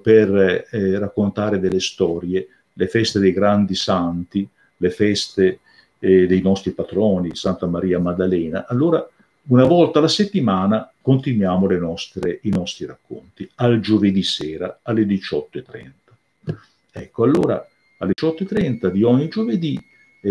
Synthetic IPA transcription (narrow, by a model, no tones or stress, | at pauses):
perːakːont̪aːɾed̪elːest̪ɔːɾje | lefɛst̪ed̪ejɡɾand̪isant̪i | lefɛst̪e | d̪ejnɔst̪ɾipat̪ɾɔːnisant̪amaɾiːamad̪alɛːna̰ʔalːoːɾa | unavɔlt̪alaset̪ːimaːnakont̪inwjaːmolenɔst̪ɾeinɔst̪ɾiɾakːo̰nt̪iald͡ʒoved̪isɛːɾaalːed̪it͡ʃɔt̪ːoet̪ːɾɛ̰nt̪ḁ | ɛkːoalːoːɾa̰ | alːet͡ʃɔt̪ːoet̪ːɾɛnt̪ad̪iɔɲːid͡ʒoved̪i